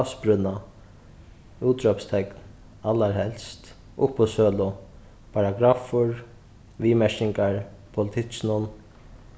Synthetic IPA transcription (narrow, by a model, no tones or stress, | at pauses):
fspɾʏnːa | uːt̪ɾœpst̪ʰɛkn | alːaɹhɛlst̪ | ʊpːʊsœːlʊ | pʰaɾaɡɾaːfʊɹ | ʋiːmɛʂkɪŋkaɹpʰʊlɪt̪ʰɪt͡ʃnʊn